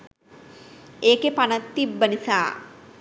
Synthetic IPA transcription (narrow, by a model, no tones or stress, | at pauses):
eːkepanɐt̪ːibːənisa̰ː